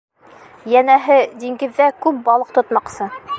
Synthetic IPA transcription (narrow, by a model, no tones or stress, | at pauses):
jænæɦɘd̪ʲiŋɡɘ̆ðːækʉp̚bɑlˠɤq̚t̪ŏt̪mɑqsɤ